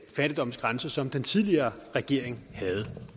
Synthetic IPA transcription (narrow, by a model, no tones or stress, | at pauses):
fæd̥id̥ɒ̽m̰n̩sɡ̥ʁansɐsɒ̽md̥ent͡sʰið̞ˠliɐːʁɛɡ̥e̝ɐ̰eŋhæð̞̩ˠ